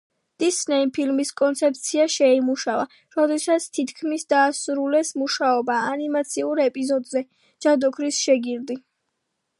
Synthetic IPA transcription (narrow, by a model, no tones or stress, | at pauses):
d̪̥isnɛipʰilmiskʼɔnt̪sʰɛp̚t̪sʰiaʃɛimuʃava | ɾɔd̪ɛsat̪sʰt̪ʰit̪ʰkʰmisd̪aːsuɾulɛsmuʃaɔbaːnimat̪sʰiuɾɛpʼizɔd̪zɛ | d͡ʒ̥ad̪ɔkʰɾisʃɛɡiɾd̪i